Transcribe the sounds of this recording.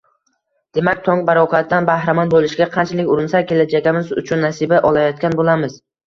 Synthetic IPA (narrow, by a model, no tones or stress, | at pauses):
d̪̥e̞makʲt̪ʰoŋbaɾɒqʰat̪̚d̪anbahɾamɒnbolˠɪʃɡʲaqʰɑnt͡ʃʰlɪkʲʊɾɪnsakʲʰe̞lad͡ʒaɡʲɪmɪzʊ̰t͡ʃʰʊnːasɪbaʔɒlˠajɒt̪̚kʲanbolamɪz̥